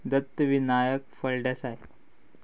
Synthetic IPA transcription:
d̪ət̪ːəʋinajək̚fəɭɖəsaj

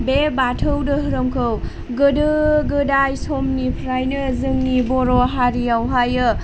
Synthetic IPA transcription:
bebatʰəwdɯɦɯɾomkʰɯw | ɡɯdɯɡɯdajsomnipʰɾajnɯzɯŋnibɔɾoɦaɾiawɦajɯ

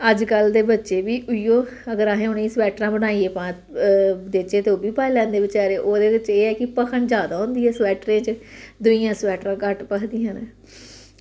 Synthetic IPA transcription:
əd͡ʒkəld̪eːbətːʃeːbiːʔʊiːjoːəɡəɾaːɦẽːʊneĩːswɛːʈɾãːbənaːieːpãː | d̪et͡ʃeːt̪eoːbiːpaːilɛ̃ːnd̪eːʋɪt͡ʃaːɾeːʔoːd̪eːʋɪt͡ʃeːɛːkɪpəkʰəɳd͡ʒaːd̪aːɦʊ̃nd̪iːɛːswɛːʈɾẽːt͡ʃd̪ʊijãːswɛːʈɾãːkəʈpəkʰd̪iːãːnɛː

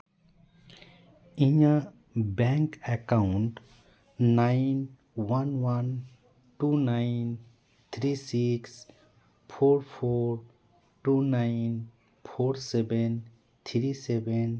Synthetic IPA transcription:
ĩɲa | bɛŋkɛkaʊɳʈ | naɪn | wanwan | ʈunaɪn | t̪ʰɾisiks | pʰoːɾpʰoɾ | ʈunaɪn | pʰoːɾseben | t̪ʰɾiseben

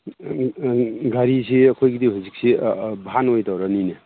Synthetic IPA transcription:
ɡaɾisʰiɐkʰojɡidiɦuzik̚sibʱanojdawɾanine

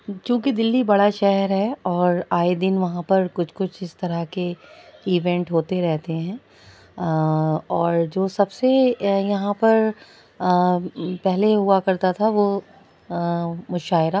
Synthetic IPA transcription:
t͡ʃjũːkid̪ɪlːibɐɽaʃɛɦɛɾɦɛɔːɾaːed̪ɪnʋɐɦãpɐɾkʊt͡ʃʰkʊt͡ʃʰɪst̪ɐɾəɦkeiːʋɛ̃ɳʈɦoːt̪eɾɛɦt̪eɦɛ̃ː | ɔːɾd͡ʒoːsɐbsejɐɦãpɐɾ | pɛɦleɦuakɐɾt̪at̪ʰaʋo | mʊʃaːɪɾa

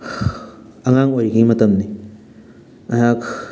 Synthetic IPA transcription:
ɐŋaŋoɾikimɐt̪ɐmni | ɐɦak

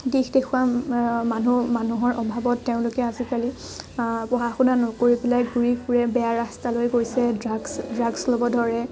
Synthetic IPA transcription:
dixdexʰuwamanumanuɦɔɹʔɔbʱabɔtːeʊ̃lʊkɛazikali | pɔɦaxunanɔkoɹibilajɡuɹipʰuɹɛbɛjaɹastalojkoɹisɛdaɡsdɹaɡslɔbɔdʱɔɹɛ

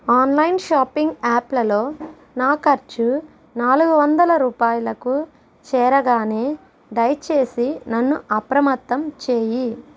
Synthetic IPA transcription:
aːnlɐjnʃaːpːiŋɡaːplɐlo̞ː | naːkɐɾt͡ʃu | naːluɡuʋɐnd̪ɐlɐɾuːpaːjɐlɐku | t͡ʃɛːɾɐɡaːneː | ɖ̪ɐjt͡ʃe̞ːsinɐnːuʔɐpɾɐmɐt̪ːɐmt͡ʃeːji

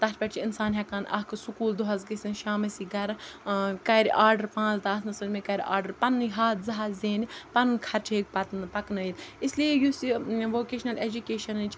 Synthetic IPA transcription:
t̪ɐt̪ʰpʲɐʈʲt͡ʃʰiinsaːnɦʲɐkaːnʔɐɦkʰsukuːld̪uɦɐzɡɐsʲinʃaːmɐsiɡɐɾkɐɾʔaːɾɖɐɾpãːt͡sd̪ɐsnɐsəɾmẽkɐɾʲa̰ːɾɖɐɾpɐnːɨɦaːt̪zɐɦazeːnpɐnːkʰɐɾt͡ʃʰeːɡ̚pɐt̪pɐknəid̪isliejusiʋoːkeːʃnɐleːd͡ʒukeːʃɐnt͡ʃʰ

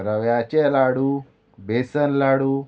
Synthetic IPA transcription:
ɾəʋjat͡ɕelaɽuː | besənlaɽuː

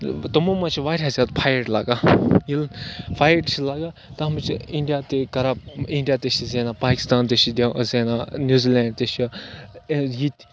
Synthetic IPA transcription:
t̪ɐmumɐt͡ʃʰiʋaːɾʲazʲaːt̪pʰaːjəɾɖla̰ːɡaːjilnpʰaːjəɾʈt͡ʃʰilaːɡaːt̪ɐɐmt͡ʃʰiɳɖijaːt̪ekɐɾabiɳɖijaːt̪et͡ʃizeːnaːpaːkʲi̥st̪aːnt̪et͡ʃʰid̪zeːnaːnʲjuːziːlɛːɳɖt̪et͡ʃʰ | jit̪ʲ

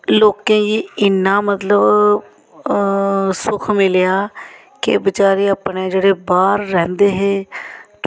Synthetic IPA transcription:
loːkẽːd͡ʒiːɪnːãːmət̪ləb | sʊkʰmɪlɪjaː | kɪ̰bɪt͡ʃaːɾeːəːpnẽːd͡ʒeːɽeːbaːɾːɛ̃ːnd̪eːɦeː

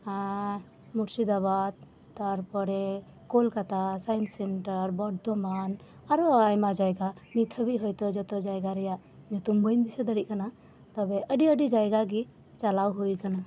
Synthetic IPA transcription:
a | muʈsid̪abad̪̚ | t̪aɾpɔɾɛ | kolkat̪asajnsɛnʈəɾbɔɖd̪ɔman | aɾɔajmad͡ʒajɡamit̪ʰəbiɦɔjt̪ɔd͡ʒɔt̪ɔd͡ʒajɡaɾɛjaʔ | d͡ʒɔt̪umbəjnd̪isɛd̪əɽiʔ̚kana | t̪ɔbɛʔəɖiəɖid͡ʒajɡaɡi | t͡ʃalawɦujkana

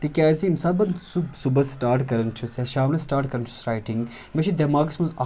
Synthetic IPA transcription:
t̪ikʲaːziːmsaːt̪̚bɐnsubsubɐsʈaːɾʈkɐɾɐnt͡ʃʰusɛʃaːmlɐsʈaːɾʈkɐɾɐnt͡ʃʰu̥sɾaːjʈiŋɡ | met͡ʃʰud̪ɛmaːɡɐsmɐzɐ

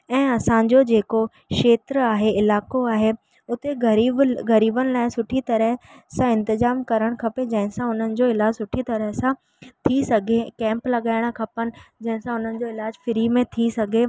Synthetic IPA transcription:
ɛ̃ːɐsãd͡ʑod͡ʑeːko | ʃeːt̪ɾəaːɦeɪlaːkoaːɦe | ʊt̪e | ɡɐɾiːbənɪ̆laːɪsʊʈʰit̪ɐɾəɦsãɪ̃nt̪ɪzaːmkɐɾəɽ̃kʰɐped͡ʑɐ̃ɦɪ̃sãʊn̤ənɪ̆d͡ʑoɪlaːd͡ʑsʊʈʰit̪ɐɾəɦsã | t̪ʰisɐɡʱekɛ̃ːmplɐɠaːɪɽ̃̆kʰɐpənɪ̆d͡ʑɐ̃ɦɪ̃sãʊn̤ənɪ̆d͡ʑoɪlaːd͡ʑfɪɾimẽt̪ʰisɐɡʱe

